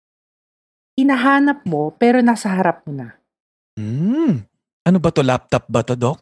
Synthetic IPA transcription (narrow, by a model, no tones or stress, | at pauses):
hɪnɐɦaːnɐp̚mo̞pɛːɾo̞naːsɐɦɐɾap̚mona | m̩ | ʔɐnobɐt̪olap̚t̪ɐp̚bɐt̪od̪ok̚